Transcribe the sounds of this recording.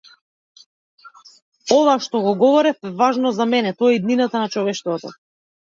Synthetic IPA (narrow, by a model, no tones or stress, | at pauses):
ɔvaʃt̪ɔɡɔɡɔvɔɾɛfɛvaʒnɔzamɛnɛt̪ɔɛid̪ninat̪anat͡ʃɔvɛʃt̪vɔt̪ɔ̰